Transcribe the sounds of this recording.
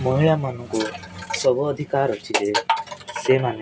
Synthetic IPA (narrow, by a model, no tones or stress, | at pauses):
məɦiɭjamanɔŋkusəbuːd̪ʱikaɾət͡ʃʰid͡ʒesemane